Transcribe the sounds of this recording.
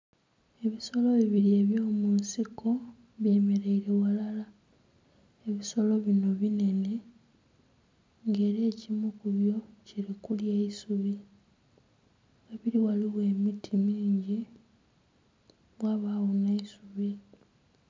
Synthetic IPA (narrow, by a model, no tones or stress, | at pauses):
e̞βiso̞lo̞βiβiɾie̞ːβjo̞ːmunsiko̞ | βje̞ːme̞ɾe̞iɾe̞walala | e̞βiso̞lo̞βino̞βine̞ne̞ | ŋɡe̞ːɾeːcimukuβjo̞ciɾikuljeisuβi | eβiɾiwaliwe̞ːmitʰimiːɲɟi | βwaβawonaisuβi